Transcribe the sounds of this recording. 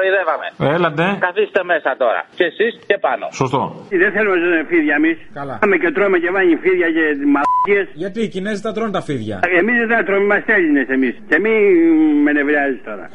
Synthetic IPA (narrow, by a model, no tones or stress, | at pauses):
oiðevɐme̞̰elɐt̪ekɐθist̪e̞mesɐt̪oɾɐ̰ceːsiscepɐno̞̰sost̪o̰ðenθelumesoefiðʝɐemiskɐlɐmecet̪ɾomecevɐɲifiðʝɐcemɐlaciesʝɐt̪icinezt̪ɐt̪ɾont̪ɐfiðʝɐ̰emizt̪ɐt̪ɾomimɐst̪eɾinesemiscemimenevɾiazist̪o̞ɾɐ̰